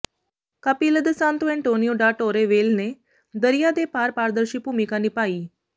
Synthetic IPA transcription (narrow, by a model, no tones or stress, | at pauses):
kapiləd̪əsãnt̪uɛ̃ɳʈonijoɖaʈoɾeʋelne | d̪əɾijad̪epaːɾpaɾd̪əɾɕiːpumikãniːpaːiː